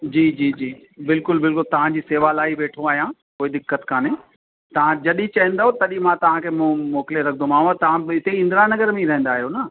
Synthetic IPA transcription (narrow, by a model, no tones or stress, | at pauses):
d͡ʑiːd͡ʑiːd͡ʑiː | bɪlkʊlbɪlkʊlt̪ɐʋ̤ãd͡ʑiːseːʋalaːiʋeːʈʰõaːɦjãː | koːid̪ɪkːət̪kʰaːne | t̪ɐʋ̤ãd͡ʑɐɗit͡ɕɐɦə̃nd̪aːɦot̪ɐɗĩmãt̪ɐʋ̤ãkʰeːmũmoːkɪleɾɐkʰnd̪õmaːɦt̪ɐʋ̤ãɪt̪eɪ̃nd̪ɾaːnːɐɡəɾmẽiɾɐɦɛ̃nd̪aːɦijonɐ